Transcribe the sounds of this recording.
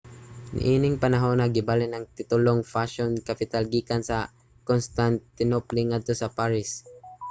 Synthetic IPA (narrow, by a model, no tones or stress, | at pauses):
nɪ̰ʔiːnɪŋpɐnaɦonɐɡɪbalɪnɐŋt̪ɪt̪ʊloŋfaʃonkapɪt̪alɡiːkansɐ | konst̪ant̪ɪnopliŋad̪̚t̪osɐpaɹɪs